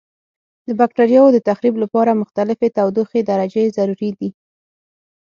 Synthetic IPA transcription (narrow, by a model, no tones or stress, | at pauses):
d̪əbak̚ʈaɾijɑod̪ət̪axɾiblapɑɾamʊxt̪alɪfet̪awd̪uxed̪aɾad͡ʒezaɾuɾid̪i